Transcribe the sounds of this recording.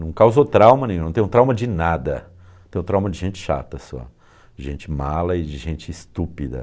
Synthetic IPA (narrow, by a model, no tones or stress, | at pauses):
nɐ̃w̃kawzot̪ɾawmɐnẽj̃ũnɐ̃t̪ẽj̃t̪ɾawmɐd͡ʒɪnad̪ɐ̃ | t̪ẽj̃t̪ɾawmɐd͡ʒɪʒẽnt͡ʃɪ̥ʃa̰t̪ɐsɔ̰ | d͡ʒɪʒẽnt͡ʃɪmalɐɪd͡ʒɪʒẽnt͡ʃɪːst̪upid̪ɐ̰